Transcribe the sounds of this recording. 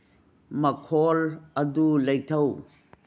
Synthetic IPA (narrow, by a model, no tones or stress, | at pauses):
mɐkʰɔlɐdulɐjtʰɐw